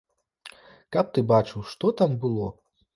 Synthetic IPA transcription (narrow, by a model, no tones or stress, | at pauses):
kɐp̚t̪ɨbat͡ʂɨwʂt̪ɔt̪ambɨlˠɔ